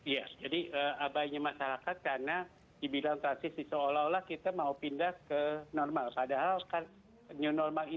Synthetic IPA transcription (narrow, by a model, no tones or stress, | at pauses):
ijad͡ʒadiʔəabaiɲamaʃaɾakat̪̚karna | dibilaŋt̪ɾansɪsdisoolawlahkit̪amaupindahkənɔrmalpadaɦalkan | ɲunɔrmali